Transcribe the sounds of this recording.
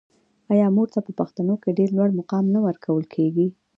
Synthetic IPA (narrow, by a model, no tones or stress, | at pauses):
ɑjɑmoɾt̪apəpaxt̪anokeɖeɾlwaɽmʊqɑmnawəɾkʰawəlkʰeɡi